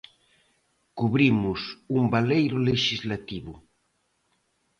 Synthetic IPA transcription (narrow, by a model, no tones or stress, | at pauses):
kuβɾimʊsumbalejɾʊleʃizlat̪iβʊ